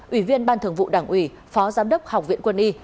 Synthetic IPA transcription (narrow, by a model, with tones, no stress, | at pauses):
ʔi˧˩vi˧ənɓaː˧nt̪ʰɨ˧˩əŋvṵ˧˨ɗaː˧˩ŋʔwi˧˩ | fɔ˨˦zaː˨˦mɗə˦˥wk͡p̚ha˨˩wk͡p̚vḭ˧˨nkwə˧nʔi˧